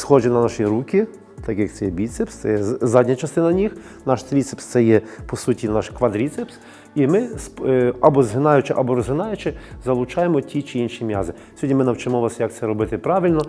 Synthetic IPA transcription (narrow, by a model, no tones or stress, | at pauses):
sxɔʒɪnɐnɑʃɾukʲi | t̪ɑkʲjɐkt̪sɛjɛbʲit̪sɛpst̪sɛ̰jɛzɑdʲnʲɐt͡ʃɐst̪ɪnɐnʲix | nɑʃt̪ɾʲit̪sɛ̥pst̪ɛjɛpɔsutʲinɑʃkʋɐd̪ɾʲit̪sɛps | imɪsɐbɔzɦɪnɑjʊt͡ʃɪʔɐbɔɾɔzɦɪnɑjʊt͡ʃɪzɐlˠʊt͡ʃɑjemɔtʲit͡ʃɪinʃimʲjɑ̰zɪ | sʲɔdʲnʲimɪnɐwt͡ʃemɔʋɑsjɐk̚t̪sɛɾɔbɪt̪ɪpɾɑʋʲilʲnɔ